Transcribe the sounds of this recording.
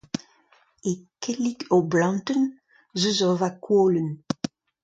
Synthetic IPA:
ekɛlikʰoblɑ̃nt̪ən | zøzɔʁvakʰwoːlən

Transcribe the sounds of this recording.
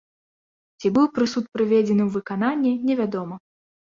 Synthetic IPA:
t͡sʲibɨwpɾɨsut̪̚pɾɨvʲed͡zʲɛnɨwvɨkananʲːɛnʲɛvʲad̪ɔmɐ

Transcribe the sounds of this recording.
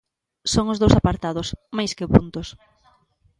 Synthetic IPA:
soŋʊzðowsapaɾt̪aðʊsmajskɪpunt̪ʊs

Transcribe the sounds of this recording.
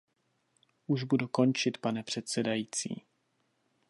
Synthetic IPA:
ʔuʒbuduko̞nt͡ʃɪt̪panɛpr̝̥ɛt̪sɛdajiːt͡sḭː

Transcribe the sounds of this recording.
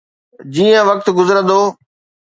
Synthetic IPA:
d͡ʑiːə̃ʋɐk̚t̪ɡʊzəɾə̃n̆d̪oː

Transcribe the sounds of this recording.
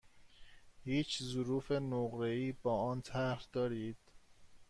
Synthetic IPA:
hiːt͡ʃʰzʊɾuːfenoɣɾeiːbɒːɒːnt̪ʰæɾd̪ɒːɾiːd̪̥

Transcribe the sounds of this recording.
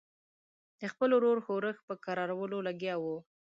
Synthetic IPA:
d̪̥əxpəloɾoɾxoɾəxpəkaɾɑɾawəlolaɡjɑwu

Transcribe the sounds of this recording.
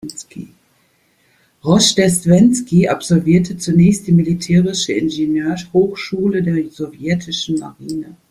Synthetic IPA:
nskʰḭ | ʁɔʃd̥ɛstv̥ɛnskiʔapz̥ɔlviːɐtʰət͡sunɛːçst̚d̥iːmilitʰɛːʁɪʃəɪnʒenøːɐshoːxʃuːlədeːɐzovjɛtʰɪʃn̩ma̰ʁiːnə

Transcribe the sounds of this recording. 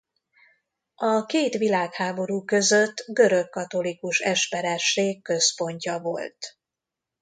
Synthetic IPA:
ʔɒkeːt̪ʋilaːkhaːbo̞ɾuːkø̞zøt̪ːɡø̞ɾø̞kːɒt̪o̞likuʃɛʃpɛɾɛʃeːkːø̞spo̞ɲcɒvo̞̰lt̪

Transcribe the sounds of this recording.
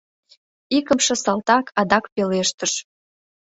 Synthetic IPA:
ikəmʃĕsɑlt̪ɑkʰɑd̪ɑkpeleʃt̪əʃ

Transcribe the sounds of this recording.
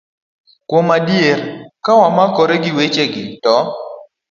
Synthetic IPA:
kwomadjerkawamakɔɾeɡɪwet͡ʃeɡɪtɔ

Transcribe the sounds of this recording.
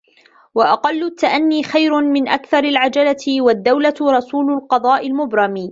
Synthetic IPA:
waʔɑqɑlːʊt̪ːaʔanːiːxajɾʊmɪnʔakθɑɾˤalʕad͡ʒalaɪwad̪ːawlaɾˤɑsuːlʊlqɑd̪ˤɑːʔɪlmʊbɾˤɑmiː

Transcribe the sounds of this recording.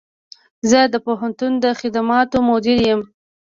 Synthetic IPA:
zəd̪əpoɦant̪und̪əxɪd̪amɑt̪omod̪ɪɾjəm

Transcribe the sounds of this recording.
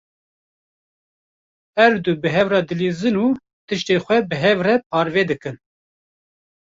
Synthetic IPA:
hɛɾd̪uːbɨɦɛvrɑːd̪ɨliːzɨnuː | t̪ɨʃt̪eːxʷɛbɨɦɛvrɛp̚ʰɑːɾveːd̪ɨkɨn

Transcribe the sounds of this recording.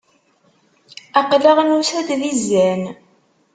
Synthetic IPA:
æqləʁnusæd̪ðizːæn

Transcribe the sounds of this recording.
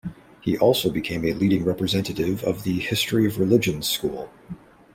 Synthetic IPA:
hiʔɔlˠsoʊbɨkʰẽɪ̃mɨliɾɪ̃ŋɹɛpɹɨzɛ̃ntɨɾɪvʌ̰vðɨhɪstɹ̥iʌvɹɨlɪd͡ʒɨ̃n̥skṵlˠ

